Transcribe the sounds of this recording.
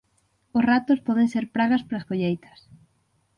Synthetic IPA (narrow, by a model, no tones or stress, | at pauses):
ʊsrat̪ʊspɔð̞ẽŋseɾpɾaɣɐspaɾasfoʎejt̪ɐ̥s